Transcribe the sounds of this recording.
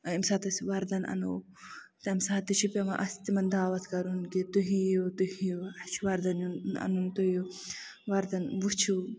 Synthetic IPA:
ɐimsaːt̪ɐsʲʋɐɾd̪ɐnʔɐ̰no̰ | t̪ɐmsaːt̪it͡ʃʰipʲemɐʔɐst̪imɐnd̪aːʋɐt̪ʰkɐɾunkit̪uɦijut̪uhijuɐt͡ʃʰʋɐɾd̪ɐnjunɐ̰nunt̪uju | ʋɐɾd̪ɐnʋut͡ʃʰu

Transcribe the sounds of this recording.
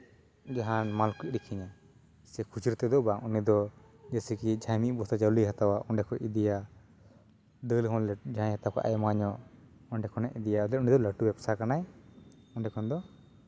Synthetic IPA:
d͡ʒaɦanmalkuc̚ˀɾikʰiɲa | sɛkʰut͡ʃiɾt̪ɛd̪ɔbaŋunid̪ɔ | d͡ʒɛsikid͡ʒʰʱajmiʔbɔt̪ad͡ʒaɾuliɦat̪awaʔɔɳɖɛkʰɔʔid̪ija | d̪əlɦɔ̃nlɛd͡ʒãj̃hat̪akʰa̰ʔa̰jmaɲɔʔ | ɔnɖɛkʰɔnɛʔid̪ijalɛunid̪ɔləʈubɛpsaɾkanaj | ɔɳɖɛkʰɔnd̪ɔ

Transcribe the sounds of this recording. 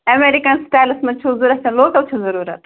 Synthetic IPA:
ɐmeɾikɐnsʈaːjlɨsmɐnt͡ʃʰuzuɾɐt̪ɐ̃nloːʈɐwt͡ʃʰuzɐɾuːɾɐt̪

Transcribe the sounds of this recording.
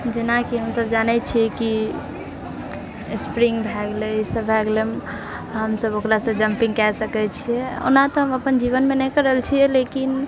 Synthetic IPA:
d͡ʒenakiɦəmsəbd͡ʒanɛt͡ʃʰiki | spɾiŋɡbʱɛɡlɛsəbʱɛɡlem | ɦəmsəbokɾasə̃d͡ʒəmpĩŋɡkɛsəkɛt͡ʃʰiɛo̰nat̪ɔɦəməpənd͡ʒiβənmenɛjkəɾəlt͡ʃʰiɛlekin

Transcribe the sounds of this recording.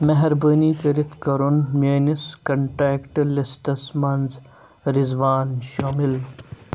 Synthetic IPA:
mɐɦɐɾbəːnikɐɾit̪ʰkɐɾunmeːniskɐɳʈɾeːkʈlisʈɐsmɐnz | ɾizʋaːnʃoːmɪl

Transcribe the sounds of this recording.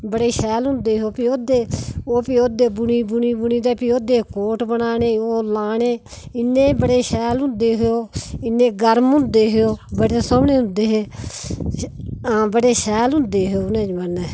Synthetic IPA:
bəɽeːʃɛːlɦʊ̃nd̪eːɦoːpioːd̪eːoːpioːd̪eːbʊniːbʊniːbʊniːd̪eːpioːd̪eːkoːʈbənaːneːoːlaːneː | ɪnːeːbəɽeːʃɛːlɦʊ̃nd̪eːɦooːɪnːeːɡəɾmʊ̃nd̪eːɦojoːbəɽeːsəmɳeːɦʊ̃nd̪eːɦeː | aːbəɽeːʃɛːlɦʊ̃nd̪eːɦeoːnẽːd͡ʒmənɛː

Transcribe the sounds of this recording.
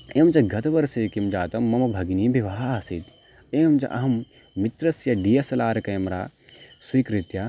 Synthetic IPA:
eːmt͡ʃɐɡʱɐt̪ɐʋɐɾseːkimd͡ʒaːt̪ɐmːɐmɐbʱɐɡnibʱiʋaːasit̪ | eːmt͡ʃɐ̰ʔɐ̰ɦɐmː | it̪ɾɐsjɐɖijɐsɐlaːɾɐkɐjmɾa̰ːswikɾit̪jɐ

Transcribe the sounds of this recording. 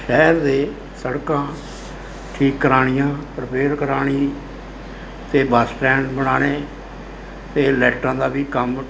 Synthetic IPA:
ʃɛːɾd̪eː | səɽkãː | ʈʰiːkːəɾaːɽ̃ɪjãːpɾəpeːɾkəɾaːɽ̃ĩː | t̪eːbəsʈɛ̃ːɳɖbəɽ̃aːneː | t̪eːlɛːʈãːd̪aːʋiːkəm

